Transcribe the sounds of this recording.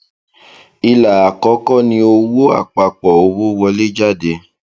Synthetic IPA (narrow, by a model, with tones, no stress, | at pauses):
i˧la˨a˨kɔ˨˦kɔ˦˨nĩ˧o˧wo˦a̰˦˨k͡pa˨k͡pɔ˨o˨˧˦wo˦wɔ˧le˦d͡ʒa˦˨de˧